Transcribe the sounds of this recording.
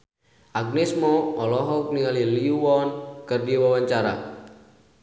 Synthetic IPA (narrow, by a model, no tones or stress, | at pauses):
ʔaɡ̚nɛsmɔɔlɔɦɔk̚niŋaliliuwɔnkɨrdiwawaɲt͡ʃaɾa̰